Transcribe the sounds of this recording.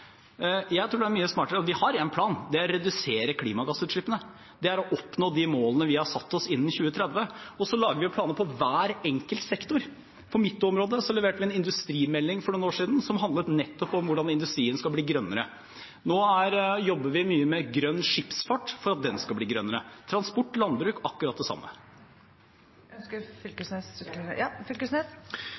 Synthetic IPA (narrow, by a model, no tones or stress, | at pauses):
jæɪt̪ʰɾuːɖɛæɾmyːəsmɑːʈəɾəɑt̪ʋɪhɑɾɛnpʰlɑːnd̪ɛɔɾɛd̪ʉseːɾəkʰliːmɑɡɑsːʉːt̪ʂɭɪpːənə | d̪ɛæɾɔʔɔpnoːd̪ɪmoːlənəʋɪhɑsɑt̪ːɔsɪnːnçʉːət̪ʰɾɛd̪ʋəɔsɔlɑːɡəʋɪplɑːnəpʰɔʋæːɾɛŋkəlt̪sɛkt̪ʊɾ | fɔɾmɪt̪ːʊɔmɾoːd̪əsɔlɛʋeːʈəʋɪɛnɪnd̪ʉst̪ɾiːmɛlːɪŋfɔɾɳuːnoːʂiːd̪n̩sɔmɦɑnd̪lət̪nɛt̪ːɔpɔmʋʊɖɑnɪnd̪ʉst̪ɾiːənskɑlbliːɡɾœnːəɾə̰ | noːæɾjɔbːəʋɪmyːəmɛɡɾœnːʂɪpsfɑʈːfɔɾɑt̪̚d̪ɛnskɑb̪iːɡɾœnːəɾət̪ʰɾɑnspɔʈːlɑnbɾʉːkɑkːʉɾɑt̪d̪ɛsɑ̰mːə̰ | nskəɾfʏlkəsnesɑfʏlkəsnes